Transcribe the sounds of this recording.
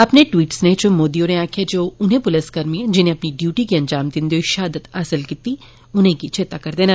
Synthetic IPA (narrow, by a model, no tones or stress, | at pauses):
ɐpneʈʋiːʈsnẽt͡ʃomoːd̪ioneaːkʰijad͡ʒoːʊnɦẽpʊləskɐɾmiẽd͡ʒɪnẽɐpniɖjuːʈikiɐ̃nd͡ʒaːmd̪ɪnd̪oiʃaːd̪ət̪asəlkit̪i | ʊnɦẽkit͡ʃʰɪt̪akɐɾd̪eːna